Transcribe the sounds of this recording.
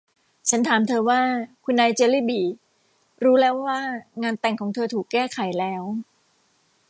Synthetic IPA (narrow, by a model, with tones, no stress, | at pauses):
t͡ɕʰa˦˥nt̪ʰaː˩˦mt̪ʰɤː˧waː˥˩kʰu˧nːaː˧jt͡ɕeː˧liː˥˩biː˨˩ | ɾuː˦˥lɛː˦˥wːaː˥˩ŋaː˧nt̪ɛ˨˩ŋkʰɔː˩˦ŋt̪ʰɤː˧t̪ʰuː˨˩kːɛː˥˩kʰa˨˩˦jlɛː˦˥w